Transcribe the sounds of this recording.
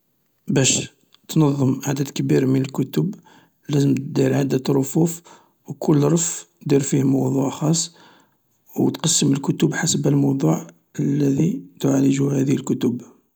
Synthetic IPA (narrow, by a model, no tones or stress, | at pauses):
bæʃ | t̪nɑðˤːəmʔaʕd̪æd̪kəbiɾmənəlkʊt̪ʊb | læzəmt̪d̪iɾʕad̪ət̪ɾˤofuf | wkʰʊlːɾˤəf | d̪iɾfihmɑwd̪ˤuʕxɑsˤː | wt̪qɑsːəməlkʊt̪ʊbħasəbəlmɑwd̪ˤuʕ | əlːæd̪it̪ʕaləʒuhæd̪əəlkʊt̪ʊb